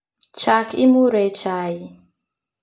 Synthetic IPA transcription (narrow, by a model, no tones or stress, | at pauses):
t͡ʃakʰḭmuɾɛt͡ʃaji